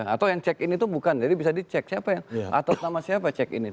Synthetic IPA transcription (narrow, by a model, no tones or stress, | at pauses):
at̪awjaŋt͡ʃɛkɪnit̪ubukand͡ʒadibisadit͡ʃɛk̚siapajaŋʔa̰t̪at̪̚namasiapat͡ʃɛkɪ̰nit̪